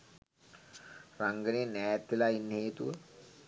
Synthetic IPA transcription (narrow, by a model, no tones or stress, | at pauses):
raŋɡəneːnɛːt̪ːelainːɦeːt̪uʋə